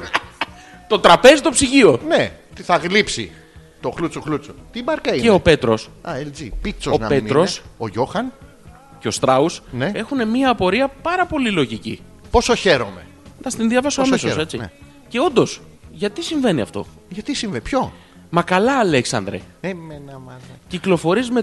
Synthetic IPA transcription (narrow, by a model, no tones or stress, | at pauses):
t̪o̞t̪ɾɐpe̞zit̪o̞psiʝio̞net̪iθɐɣlipsi | t̪o̞xlut͡soxlut͡sot̪ibɐɾkɐieope̞t̪ɾo̞sɐeld͡zipit͡soonɐpeiɾo̞soʝo̞xɐn | ceo̞st̪ɾɐusnee̞xune̞miɐːpo̞ɾiɐpɐɾɐpo̞lilo̞ʝicḭ | posoçe̞ɾo̞me̞ | nɐst̪inðjɐvɐsoɐmsmesose̞t͡si | ce̞o̞nd̪o̞s | ʝɐt̪isiɱve̞niɐ̰ft̪o̞̰ | ʝɐt̪isiɱvenipço̞ | mɐkɐlɐːleksɐ̰nd̪ɾḛemenɐmɐnciklo̞fo̞ɾizme